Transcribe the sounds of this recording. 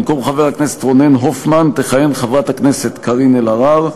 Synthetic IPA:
mko̞mχaveʁaknesetʁo̞nenɦofmant̪eχajenχavʁat̪hakneset̪kʰaʁinelaʁaʁ

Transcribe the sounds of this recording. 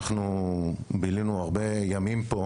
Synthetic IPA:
χnu | bilinuaʁbe̞jamimpo

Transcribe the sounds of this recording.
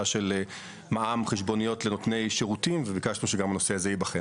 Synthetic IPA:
aʃele | maʔamχeʃ̬bo̞nijo̞tlenotne̞jʃeʁutimvevikaʃnuʃeɡamano̞seazejibaχe

